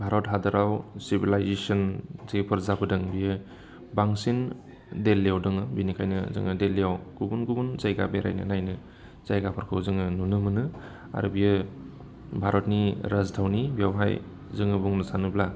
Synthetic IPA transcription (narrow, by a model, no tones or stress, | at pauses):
bʱaɾɔtɦadɯɾawsibilajzesɔnzepʰɯɾzabʰɯdɯŋbijɯ | baŋsin | delːjawdɯŋɯbinikʰajnɯzɯ̰ŋɯdelːijawɡ̥ubunɡubunzajɡabeɾa̰jnɯ̰najnɯ | z̥ajɡapʰaɾkʰɯwzɯŋɯnunɯmɯnɯ | a̰ɾubijɯ | bʱaɾɔt̚niɾaztʰawnibijawɦa̰j | zɯŋɯbuŋnɯsanɯbla